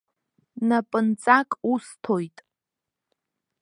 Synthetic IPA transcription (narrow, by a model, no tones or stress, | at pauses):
napʼɨnt͡sʼakʼustʰo̞jtʼ